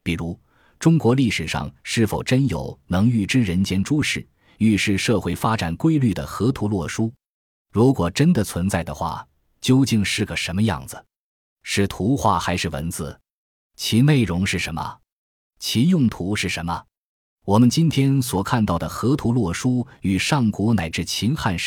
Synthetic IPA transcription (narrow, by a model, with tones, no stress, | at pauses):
pi˨˩ɻu˧˥ | ʈ͡ʂʊ˥ŋkwɔ˧˥li˥˩ʂɻ̩˨˩ʂɑ̰˥˧ŋʂɻ̩˥˩fo˨˩ʊʈ͡ʂə˥njo̰˨˩˦ʊnɤ˧˥ŋy˥˩ʈ͡ʂɻ̩˥ɻə˧˥nt͡ɕjɛ˥nʈ͡ʂu˥ʂɻ̩˥˩ | y˥˧ʂɻ̩˥˧ʂɤ˥˧xwe˥˩ɪfa˥ʈ͡ʂa˨˩nkwe˥ɪly˥˩d̪ə̰˩xɤ˧˥t̪ʰu˧˥lwɔ˥˩ʂu˥ | ɻu˧˥kwɔ˨˩ʈ͡ʂə˥nd̪ə˨t͡sʰwə˧˥nt͡sa˥˩ɪd̪ə̰˩xwa̰˥˩ | t͡ɕjo˥ʊt͡ɕi˥˧ŋʂɻ̩˥˩ɡə˩ʂə˧˥nmə˧jɑ̰˥˩ŋd͡zɹ̩˩ | ʂɻ̩˥˩t̪ʰu˧˥xwa˥˩xa˧˥ɪʂɻ̩˥˩wə̰˧˥nt͡sɹ̩˧ | t͡ɕʰi˧˥ne˥˩ɪɻʊ˧˥ŋʂɻ̩˥˩ʂə˧˥nmə̰˧ | t͡ɕʰi˧˥jʊ˥˩ŋt̪ʰu˧˥ʂɻ̩˥˩ʂə˧˥nmə̰˧ | wɔ˨˩mə˧nt͡ɕi˥nt̪ʰjɛ˥nswɔ˨˩kʰa˥˧nt̪ɑ˥˩ʊd̪ə˩xɤ˧˥t̪ʰu˧˥lwɔ˥˩ʂu˥y˨˩ʂɑ˥˩ŋku˧˥na˨˩ɪʈ͡ʂɻ̩˥˩t͡ɕʰi˧˥nxa˥˧nʂ